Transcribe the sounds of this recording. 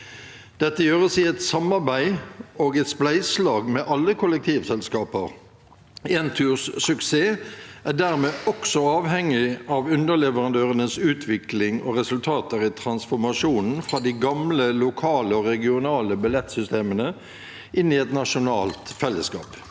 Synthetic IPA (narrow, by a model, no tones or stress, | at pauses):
d̪̥ɛt̪ːəjøːʁəsɪɛt̪sɑmːɑʁbæɪoːɡɛt̪splæɪslɑːɡmɛʔɑlːəkʰʊlɛk̚t̪ʰiːʋsɛlskɑːpəʁ | eːnt̪ʰyːʁsːʉkseːæɖæːʁmeːʔɔksɔɑːʋɦɛŋːɪʔɑʋʉnd̪əʁlɛʋəʁɑnd̪øːʁənəsʉːt̪ʰʋɪklɪŋɔ̰ʁɛsʉlt̪ʰɑːt̪əʁɪt̪ʰɾɑnsfɔɾmɑʂuːnn̩fʁɑːd̪iɡɑmləlʊkʰɑːləɔʁɛɡɪʊnɑːləbɪlɛt̪sʏst̪eːmənə | ɪnːɪɛt̪nɑʂʊnɑ̰ːlt̪fɛlːəskɑ̰ːp